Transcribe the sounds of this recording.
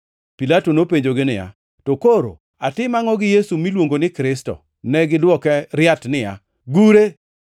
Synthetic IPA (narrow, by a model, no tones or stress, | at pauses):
pilatonopeɲd͡ʒoɡɪnɪja̰ | tokoɾo̰ | atɪmaŋɔɡɪjesumilwoŋɡonɪkɾɪstɔ̰ | nɛɡɪdwɔkɛɾɪatnɪja̰ | ɡuɾe